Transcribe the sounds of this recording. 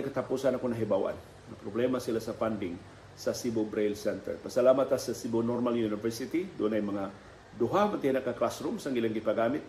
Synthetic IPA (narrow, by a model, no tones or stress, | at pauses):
kət̪apusanakunaɦebawa̰n | ŋapɾoblemasilasafandɪŋ | sasibobɾejlsɛnt̪ɛ̰rpəsalamat̪asasibonɔrmaljunifɛrsit̪idonajmaŋa | doɦamənt̪inakːaklasɾumsaŋɡiləŋɡipaɡamɪt̪̚